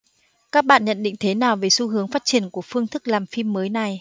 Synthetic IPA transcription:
kaː˦˥k̚ɓa̰ː˧˨nɲə̰˧˨nɗḭ̈˧˨ŋ̟t̪ʰe˨˦naː˨˩wve˨˩su˧ɦɨ˨˦əŋfaː˦˥t̚t͡ɕi˧˩ənku˧˩əfɨ˧əŋt̪ʰɨ˦˥k̚laː˨˩mfi˧mːəː˨˦jna˨˩j

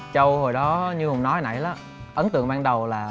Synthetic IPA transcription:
t͡ɕə˧who˨˩jɗɔ˨˦ɲɨ˧hʊ˨˩ŋ͡mnɔ˨˦haː˨˩na̰˧˩jla˨˦ | ʔə˨˦nt̪ɨ̰˧˨əŋ̚ɓaː˧nɗə˨˩wlaː˨˩

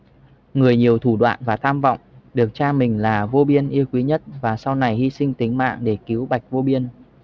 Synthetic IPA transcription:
ŋɨ˨˩əjɲi˨˩əwt̪ʰu˧˩ɗwa̰ː˧˨nvaː˨˩t̪ʰaː˧mvɔ̰˧˨wŋ͡mɗɨ˨˩ək̚t͡ɕaː˧mï˨˩ŋ̟laː˨˩vo˧ɓi˧ənʔi˧əwkwi˨˦ɲə˦˥t̚vaː˨˩sa˧wna˨˩jhi˧sï˧ŋ̟t̪ï˨˦ŋ̟ma̰ː˧˨ŋɗe˧˩ki˨˦əwɓa˨˩jk̟̚vo˧ɓi˧ən

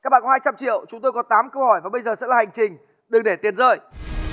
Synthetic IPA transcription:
kaː˦˥k̚ɓa̰ː˧˨kɔ˦haː˧jt͡ɕa˧mt͡ɕḭ˧˨ə˨wt͡ɕʊ˨˦ŋ͡mt̪o˧jkɔ˨˦nt̪aː˨˦mkə˧whɔ˧˩jvaː˨˩ɓə˧jzəː˨˩sɛ̰˧˥laː˨˩ha˨˩ŋ̟t͡ɕï˨˩ŋ̟ | ɗɨ˨˩ŋɗe˧˩t̪i˨˩ənzəː˧˩j

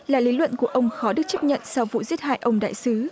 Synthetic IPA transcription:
laː˨˩li˨˦lwə̰˧˨nku˧˩əʔə˧wŋ͡mxɔ˨˦ɗɨ˦˥k̚t͡ɕə˦˥p̚ɲə̰˧˨nsa˧wvṵ˧˨zi˦˥t̚ha̰ː˧˨jʔə˧wŋ͡mɗa̰ː˧˨jsɨ˨˦

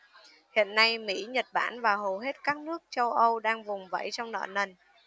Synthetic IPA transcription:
hḭ˧˨ənːa˧jmḭ˧˥ɲə˨˩t̚ɓa̰ː˧˩nvaː˨˩ɦo˨˩ɦe˦˥t̚kaː˦˥k̚nɨ˦˥ək̚t͡ɕə˧wʔə˧wɗaː˧ŋvʊ˨˩ŋ͡mvə̰˧˥jt͡ɕɔ˧wŋ͡mnə̰ː˧˩nə˨˩n

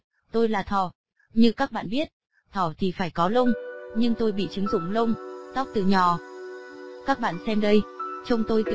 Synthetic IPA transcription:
t̪o˧jlaː˨˩t̪ʰɔ˧˩ | ɲɨ˧kaː˦˥k̚ɓa̰ː˧˨nɓi˦˥ət̚ | t̪ʰɔ˧˩t̪ʰi˨˩faː˧˩jkɔ˨˦lə˧wŋ͡mɲɨ˧ŋt̪o˧jɓḭ˧˨t͡ɕɨ˨˦ŋzʊ̰˧˩ŋ͡mlə˧wŋ͡mt̪ɔ˦˥k͡p̚t̪ɨ˨˩ɲɔ˨˩ | kaː˦˥k̚ɓa̰ː˧˨nsɛ˧mɗə˧jt͡ɕə˧wŋ͡mt̪o˧jk

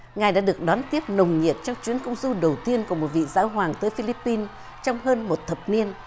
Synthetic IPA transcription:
ŋaː˨˩jɗa̰ː˧˥ɗɨ˨˩ək̚ɗɔ˨˦nt̪i˦˥əp̚nə˨˩wŋ͡mɲi˨˩ət̚t͡ɕɔ˧wŋ͡mt͡ɕwi˨˦ənkə˧wŋ͡mzu˧ɗə˨˩wt̪i˧ənku˧˩əmo˨˩t̚vḭ˧˨zaː˨˦wɦwaː˨˩ŋt̪əː˨˦jfi˧li˦˥pːi˧n | t͡ɕɔ˧wŋ͡mɦəː˧nmo˨˩t̚t̪ʰə˨˩p̚ni˧ən

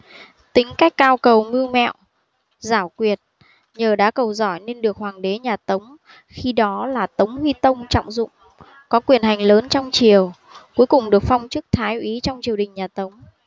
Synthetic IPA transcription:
t̪ï˨˦ŋ̟ka˦˥jk̟̚kaː˧wkə˨˩wmɨ˧əwmɛ̰˧˨w | zaː˧˩wkwi˨˩ət̚ | ɲəː˨˩ɗa̰ː˧˥kə˨˩wzɔ˧˩jne˧nɗɨ˨˩ək̚hwaː˨˩ŋɗe˨˦ɲaː˨˩t̪ə˨˦wŋ͡m | xi˧ɗɔ˨˦laː˨˩t̪ə˨˦wŋ͡mhwi˧t̪ə˧wŋ͡mt͡ɕɔ̰˧˨wŋ͡mzʊ̰˧˨ŋ͡m | kɔ˨˦kwi˨˩ənɦa˨˩ŋ̟ləː˨˦nt͡ɕɔ˧wŋ͡mt͡ɕi˨˩əw | ku˨˦jkʊ˨˩ŋ͡mɗɨ˨˩ək̚fɔ˧wŋ͡mt͡ɕɨ˦˥k̚t̪ʰaː˨˦jʔi˨˦t͡ɕɔ˧wŋ͡mt͡ɕi˨˩əwɗï˨˩ŋ̟ɲaː˨˩t̪ə˨˦wŋ͡m

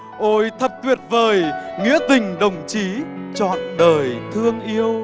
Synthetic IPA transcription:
ʔo˧jt̪ʰə˨˩p̚t̪wi˨˩ət̚vəː˨˩jŋḭ˧˥ət̪ï˨˩ŋ̟ɗə˨˩wŋ͡mt͡ɕi˨˦t͡ɕɔ̰˧˨nɗəː˨˩jt̪ʰɨ˧əŋʔi˧əw

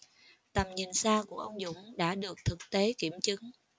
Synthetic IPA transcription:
t̪ə˨˩mɲi˨˩nsaː˧ku˧˩əʔə˧wŋ͡mzʊ̰˧˥ŋ͡mɗa̰ː˧˥ɗɨ˨˩ək̚t̪ʰɨ˨˩k̚t̪e˨˦ki˧˩əmt͡ɕɨ˨˦ŋ

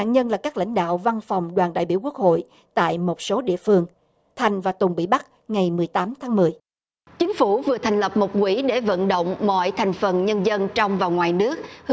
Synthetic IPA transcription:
a̰ː˧˨ɲə˧nlaː˨˩kaː˦˥k̚la̰˧˥jŋ̟ɗa̰ː˧˨wva˧nfa˨˩wŋ͡mɗwaː˨˩nɗa̰ː˧˨jɓi˧əwku˦˥ək̚ho̰˧˨j | t̪a̰ː˧˨jmo˨˩t̚so˨˦ɗḭ˧˨əfɨ˧əŋ | t̪ʰa˨˩jŋ̟vaː˨˩t̪ʊ˨˩ŋ͡mɓḭ˧˨ɓa˦˥t̚ | ŋa˨˩jmɨ˨˩əjt̪aː˨˦mt̪ʰaː˨˦ŋmɨ˨˩əj | t͡ɕi˨˦ŋ̟fu˧˩vɨ˨˩ət̪ʰa˨˩ŋ̟lə˨˩p̚mo˨˩t̚kwi˧˩ɗe˧˩və̰˧˨nɗo̰˧˨wŋ͡mmɔ̰˧˨jt̪ʰa˨˩jŋ̟fə˨˩nɲə˧nzə˧nt͡ɕɔ˧wŋ͡mvaː˨˩wŋwaː˨˩jnɨ˦˥ək̚h

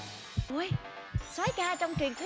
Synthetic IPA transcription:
ʔo˨˧j | swaː˨˦jkaː˧t͡ɕɔ˧wŋ͡mt͡ɕwi˨˩nt̪ʰɨ˦

